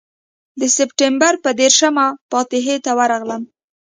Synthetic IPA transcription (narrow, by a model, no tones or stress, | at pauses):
d̪əsɪpʈembaɾpəd̪eɾʃamapɑt̪ɪɦet̪awəɾɑɣləm